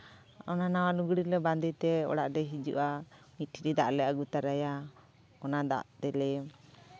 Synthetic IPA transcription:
ɔnanawaluɡɽiɾlɛband̪it̪ɛɔ̰ɽaʔɖɛɦid͡ʒṵʔamiiɗid̪aʔlɛʔaɡut̪aɾaja | ɔnad̪a̰ʔt̪ɛlɛ

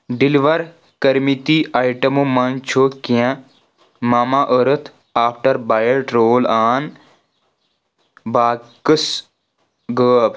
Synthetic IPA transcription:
ɖɪliʋɐɾ | kəɾmit̪iʔaːiʈəmomãnt͡ʃʰoːkijã | maːmaʔəɾət̪ʰ | aːpʰʈəɾbaːjəɽʈɾoːlaːn | baːkəs | ɡəːb

